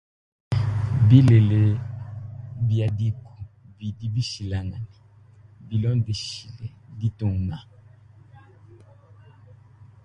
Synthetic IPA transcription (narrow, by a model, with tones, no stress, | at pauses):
bi˦le˨le˨ | bja˨di˦ku̥˨bi˨di˦bi˦ʃi˨la˨ŋa˨na˨ | bi˨lɔ̃˦di˨˦ʃi˨le˨di˦tɔ̃˨ŋ˨na˨